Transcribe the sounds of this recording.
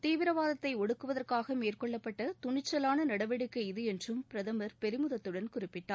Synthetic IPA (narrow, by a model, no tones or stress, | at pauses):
t̪iːʋɪɾɐʋaːðɐt̪ːɐɪɔɽɯkːɯʋɐðɐrkaːɣɐmeːrkɔɭːɐpːɐʈːɐt̪ʊɳɪt͡ʃːɐlaːnɐnɐɽɐʋɛɽɯkːɯɪðɯɛndrɯmpɪɾɐðɐmɐɾpɛɾɪmɯðɐt̪ːɯɽɐnkʊrɪpːɪʈːaː